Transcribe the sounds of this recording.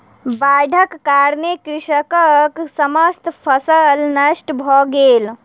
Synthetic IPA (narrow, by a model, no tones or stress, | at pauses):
bajɖʱəkːaɾnekɾiʃəkəksəməst̪pʰəsəlnəsʈbʱɔɡel